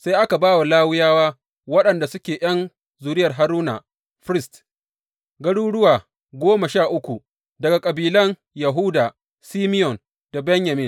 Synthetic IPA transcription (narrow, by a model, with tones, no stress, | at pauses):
sa˦jʔa˦ka˨baː˦wa˨laː˦wʊ˦jaː˦waː˦ | wɐ˦ɗɐ˨nda˨sʊ˦kʲeː˨j̰ɐ˦n | zuː˨ɾɪ˦jɐ˨rɦa˦ɾuː˦na̰˨ | ɸɾɪ˦st | ɡɐ˦ɽuː˦ɽʊ˦waː˨ | ɡʷoː˦ma˨ʃaː˦˨ʔʊ˦kʷu˨ | dɐ˨ɡa˨kʼɐ˨biː˨lɐ˦n | ja˨ɦu˦daː˨ | siː˦mɪ˦jɔ˨n | d̥a˨bɛ˦ɲja˨mɪ˦n